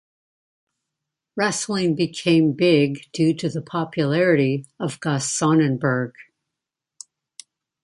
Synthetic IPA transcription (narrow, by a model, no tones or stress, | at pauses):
ɹɛsl̩ˠɪ̃ŋbɨkʰẽɪ̃mbɪɡ̚d̥ʉɾɨðəpʰɑpʰjɨlɛɹɨɾiʌvɡɑsɑnɨ̃nbə˞ɡ̥